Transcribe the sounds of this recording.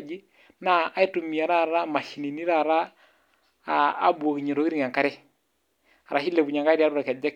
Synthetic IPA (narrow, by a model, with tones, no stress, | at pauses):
d͡ʒi˦ | naː˦i˦tu˨mi˨a˨ɾa˦˨ɾa˦ma˨ʃi˨ni˨ni˦ɾa˦˨ɾa˦˨˦ | bu˨o˨ki˨ɲe˨ɾo˨ki˦ɾi˦ŋa˨ŋka˦ɾɛ˦ | a˨ɾa˨ʃi˦le˨bu˨ɲa˨ŋɡa˦ɾi˦a˦ɾu˦ɾa˨kɛ˨d͡ʒa˦k